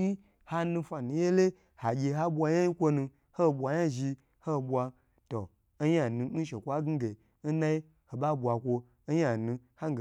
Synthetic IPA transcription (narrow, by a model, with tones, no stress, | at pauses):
i˦ | ha˦nũ˧fa˨nũ˨je˦le˦ | ha˨ɡʲe˧ɦa˦ɓʷa˧ja˦i˦kʷo˦nũ˧ | ho˦˨bʷa˧ja˦ʒi˧ | ho˦˨ɓʷwa˧ | to˨˦ | ja˨nũ˧˦n̩˦ʃe˨kʷa˦ɡi˦ɡe˨ | n̩˦na˦i˦ | ho˨ɓa˦bwa˨kʷo˧˦ | ja˨nũ˧ha˦ŋ˦ɡ